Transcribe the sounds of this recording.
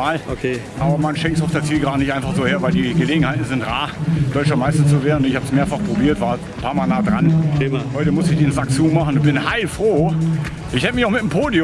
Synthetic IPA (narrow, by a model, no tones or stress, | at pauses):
aːlokeʔaːbɐmanʃɛŋktsʊfd̥at͡siːlɡʁaːdənɪçtʔaɪnfaχz̥oːheːɐvaɪldiːɡəleːɡŋ̩haɪtn̩zɪntʁaːd̥ɔʏt͡ʃɐmaɪstɐt͡suveːʁn̩ʊnɪçhaːbəsmeːɐfaχpʁ̥obiːɐtv̥aːɐ | pʰaːɐmaːlnaːdʁanhɔʏtəmʊsɪçd̥eːnzak̚t͡suːnmaχn̩b̥ɪnhaɪlfʁ̥oː | ʔɪçhɛtəmɪçaʊxmɪtm̩pʰoːdi